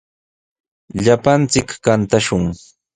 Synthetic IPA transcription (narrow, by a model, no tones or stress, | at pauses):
ʎapant͡sɪkːant̪aʃʊŋ